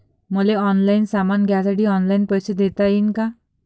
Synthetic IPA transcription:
moleɔnlajnsamanɡateɖiɔnlajnpɔjsed̪et̪ajinka

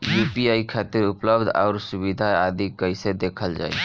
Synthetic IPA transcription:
juːpiaːikʰaːt̪iɾʊpləbd̪ʱɔ̰ːɾsʊwid̪ʱaaːd̪ikəɪsed̪eːkʰəld͡ʒa̰ːḭ

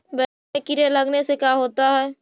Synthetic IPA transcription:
bɛ | mekɪɾelɐɡnesekjaɦoːt̪aɦɛː

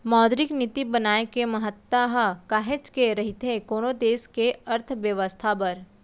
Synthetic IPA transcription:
mɔːd̪ɾɪknɪt̪ibɐnaːekemɐɦət̪ːaɦkaːɦet͡ʃkeɾɐɦɪt̪ekoːnod̪eːskeɐɾt̪ʰʋjəʋəst̪ʰapɐɾ

